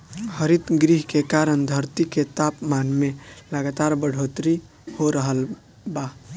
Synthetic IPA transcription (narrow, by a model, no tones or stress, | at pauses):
həɾit̪ɡɾiɦkekaɾənd̪ʱəɾt̪iket̪apmanmeləɡat̪aɾbəɽ̤ʱot̪ɾi | hoɾəɦəl | ba